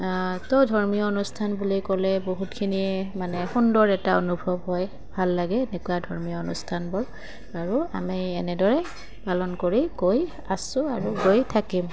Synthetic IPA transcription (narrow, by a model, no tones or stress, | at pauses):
towdʱɔɹmijɔonustʰanbulikɔlɛboɦutkʰinimanɛxundɔɹɛtao̰nubʱɔbɦɔj | bʱalːaɡɛːnɛkuadʱɔɹmijɔonṵstʰanbɔl | aɹua̰miɛnɛdɔɹɛ | palɔnkoɹiɡoj | asʊ̃aɹuɡojtʰakim